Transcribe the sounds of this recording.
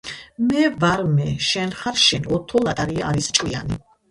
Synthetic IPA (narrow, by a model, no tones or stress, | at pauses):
mɛvaɾmɛʃɛnχaɾʃɛnɔt̪ʰɔlˠat̪ʼaɾiaʔːɾist͡ʃʼwia̰nḭ